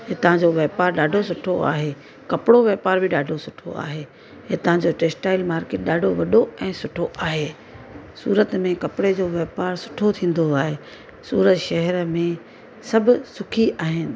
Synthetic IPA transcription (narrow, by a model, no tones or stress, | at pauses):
ɦet̪ɐʋ̤ãɲd͡ʑoʋɛːpaːɾɗaːɖʱosʊʈʰoa̰ːɦeː | kɐpɪɽoʋɛːpaːɾbɪɗaːɖʱosʊʈʰo̰a̰ːɦeː | ɦet̪ɐʋ̤ãɲd͡ʑoʈeːsʈaːɪlmaːɾkeːʈ̚ɗaːɖʱoʋɐɗoɛ̃ːsʊʈʰoʔaːɦeː | sṵːɾət̪mẽkɐpɪɽed͡ʑoːʋɛːpaːɾsʊ̥ʈʰot̪ʰĩːn̆d̪oaːɦeː | suːɾət̪ʃɐɦɛɾəmẽ | sɐbʱʊsʊkʰiaːɦɪnɪ̆